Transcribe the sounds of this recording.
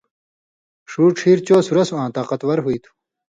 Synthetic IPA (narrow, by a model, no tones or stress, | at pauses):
ʂuːʈ͡ʂʰiːɾt͡ɕoːsuɾɐsuãːt̪aːqɐt̪wɐɾɦuit̪ʰu̥